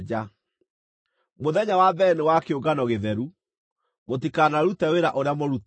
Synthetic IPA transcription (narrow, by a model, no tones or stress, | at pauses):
d͡ʑa | moðɛɲawabɛnewakeoɡanɔɣeðɛɾu | motikanaɾutɛweɾaʔoɾeamoɾut